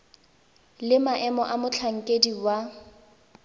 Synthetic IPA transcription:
lɪmaʔɛmɔʔamʊt͡ɬʰaŋ̩kʼediwa

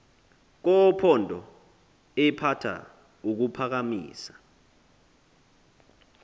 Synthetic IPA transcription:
k̬ɔpʰɔndʱɔ | ɛpʰatʰa̰ | uk̬upʰak̬amḭːsḁ

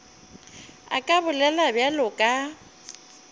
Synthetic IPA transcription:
a̰kʼabʊlɛlabjalʊkʼa

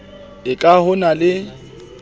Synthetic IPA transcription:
ɪkʼahʊnalɪ

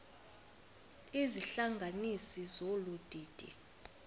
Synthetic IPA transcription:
iziɬaŋɡʱanisizolud̥ʱiːd̥ʱḭ

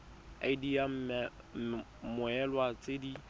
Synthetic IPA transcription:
a̰ɪdijam̩mɛ | mʊɛlwat͡sʼedi

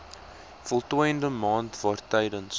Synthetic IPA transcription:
fɔlˠtujəndəmɑːntvɑːrtɛjdəns

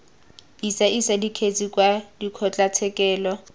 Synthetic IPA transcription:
isaʔisadikʰet͡sʼikʼwadikʰɔt͡ɬʼat͡sʰɛkʼɛːlɔ

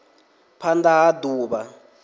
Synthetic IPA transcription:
pʰandaːduːɓa

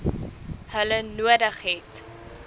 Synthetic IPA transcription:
hələnuədəχɦɛt

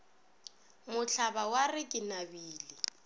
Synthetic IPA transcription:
mʊɬʰabawarɪkʼɪnabiːlɪ

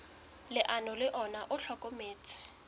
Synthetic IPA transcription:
lɪʔanɔlɪʔɔnaʔʊɬʰɔkʼomeːt͡sʰʼɪ̥

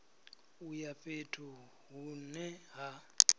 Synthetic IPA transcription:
ujaɸetʰu | ɦunɛɦa

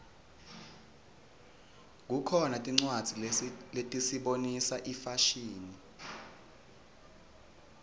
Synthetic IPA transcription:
k̬ukʰɔnatʼiŋ͡ǀwad̥z̥ʱiletʼisiɓonisaʔifaʃiːni

